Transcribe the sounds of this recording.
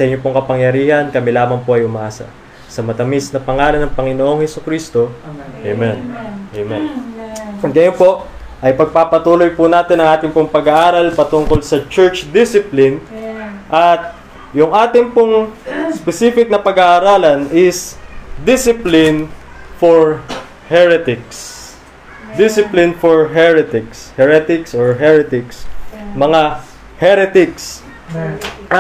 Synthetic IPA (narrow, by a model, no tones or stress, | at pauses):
sɐʔɪɲːopoŋkɐpɐŋjɐɾiːhɐnkɐmɛlaːmɐŋpoʔɐjʊmɐʔaːsɐ̰ | sɐmɐt̪ɐmisnɐpɐŋaːlɐnɐŋpɐŋɪnoʔoŋhɛsʊkɾist̪o̞ʔemɛnʔemɛn | ɐɡɐjonpo̞ʔ | ʔɐjpɐɡ̚papɐt̪uːlojpʊnaːt̪ɪnɐŋʔaːt̪ɪŋpoŋpɐɡɐʔaːɾɐlpɐt̪ʊŋko̞lsɐt͡ʃɛɹt͡ʃd̪ɪsɪplɪnʔɐt̪̚ | jʊŋʔaːt̪ɪŋpʊŋspɛsiːfɪk̚nɐpɐɡaʔɐɾaːlɐnɪsd̪ɪsɪplɪnfoɹ | hɛɹɛt̪ɪks | d̪ɪsɪplɪnfɔɹɦɛɹɛt̪ɪkshɛɹɛt̪ɪksoɹɦɛɹɛt̪ɪksmɐŋa | hɛɾɛt̪ɪks